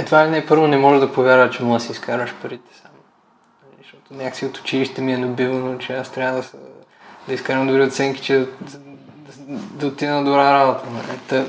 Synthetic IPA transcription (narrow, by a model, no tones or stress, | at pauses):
ɛt̪ovanɛpɤɾvonɛmɔʒɛd̪ɐpovʲjaɾvɐt͡ʃɛmoɐsɛiskʰaɾvəʃpɐɾit̪ɛ̥samo | nɐliʃt̪ɔt̪onʲaksiot̪ʊ̥t͡ʃiliʃt̪ɛmiɛd̪obivɐnot͡ʃɛast̪ɾʲavəd̪ɐsə | d̪ɐiskaɾvɐmd̪obɾiot̪sɛŋki̥t͡ʃɛd̪ | d̪d̪ɐot̪id̪ɛnɐd̪obɾaɾabot̪ʰənɐ̰lɛ̰t̪ə